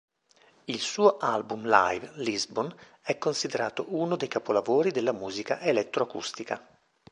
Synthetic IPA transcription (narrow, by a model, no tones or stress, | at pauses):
ilsuːoʔalbumla̰jvlizbon | ɛkːonsid̪eɾaːt̪oʔunod̪ejkapolavoːɾid̪elːamuːzikaʔelɛt̪ːɾoakṵst̪ika̰